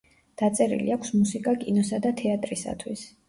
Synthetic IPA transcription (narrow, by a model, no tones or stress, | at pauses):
d̪̥at̪sʼɛɾḭlḭakʷʰsmusikʼakʼinɔsad̪at̪ʰɛat̪ʼɾisa̰t̪ʰwis